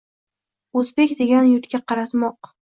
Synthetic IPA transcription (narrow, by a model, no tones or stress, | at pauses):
ɵzbekʲd̪e̞ɡʲanjʊt̪kʲaqʰɑɾat̪mɒq